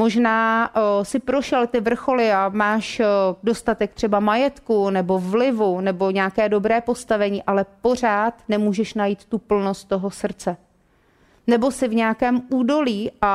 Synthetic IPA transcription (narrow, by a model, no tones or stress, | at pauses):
mo̞ʒnaːsɪpɾo̞ʃɛlt̪ɪvr̩xo̞lɪamaːʃdo̞st̪at̪ɛk̚t̪r̝̥ɛbamajɛt̪kunɛbo̞vlɪvunɛbo̞ɲɛakɛːdo̞bɾɛːpo̞st̪avɛɲiːʔalɛpo̞r̝aːt̪nɛmuːʒɛʃnajiːt̪ːupl̩no̞st̪̚t̪ːo̞ɦo̞sr̩t͡sɛ | nɛbo̞sɪvɲɛjakɛːmʔuːdo̞liːʔa